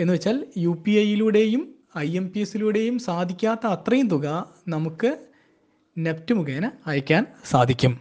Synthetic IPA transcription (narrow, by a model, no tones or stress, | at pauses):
e̞nːɨʋet͡ɕːaːljuːpiɐjiluːɽe̞jum | ɐje̞mpiesiluːɽe̞jumsaːd̪ʱikʲːaːt̪ːɐːt̪rɐjumt̪uɣɐ | nɐmukːɨ | neptːɨmuɣeːnɐɐjɐkʲːaːnsaːd̪ʱikʲːum